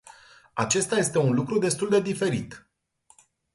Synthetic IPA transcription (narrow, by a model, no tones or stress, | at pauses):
at͡ʃe̞st̪aje̞st̪e̞unlukɾud̪e̞st̪uld̪e̞d̪ife̞ɾit̪